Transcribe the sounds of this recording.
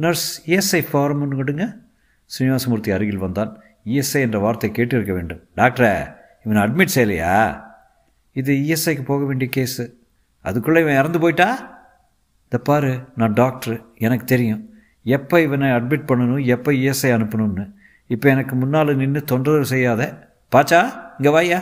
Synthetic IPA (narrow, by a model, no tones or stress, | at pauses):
nɐɾsiːɛsɐɪfaːɾɐmɔnːɯɡɐɽɯŋɡɐ | sɪnɪʋaːsɐmʊɾɯt̪ːiɐɾɯɣɪlʋɐnd̪aːn | iːɛsɐɪɛndrɐʋaːɾt̪ːɐɪkːeːʈːɪɾɯkːɐʋeːɳɖɯmɖaːk̚ʈɐɾɛ | ɪʋɐnɐɐɖ̚mɪʈːsɛjːɐlɐ̰ja̰ː | ɪðɯiːɛsɐɪkːɯpoːɣɐʋeːɳɖɪjɐkeːsɯ | ʔɐ̰ðɯkːʊɭːɐɪʋɐ̃ɪɾɐnd̪ɯp̬oːjɪʈːaː | ðɐpaːɾɯnãːɖaːk̚ʈɐɾɛnɐkːɯ̥t̪ɛɾɪjʊ̃ | ɛpːɐɪʋɐnɐɐɖ̚mɪʈ̚pɐɳːɐnʊ̃ɛpːɐiːɛsɐɪɐnɯpːɐnɯnːɯ | ɪpːɐɛnɐkːɯmʊnːaːlɯnɪnːɯt̪ɔɳdrɐðɐls̬ɛjːaːðɛ | paːt͡ʃːaːɪŋɡɐʋaːjaː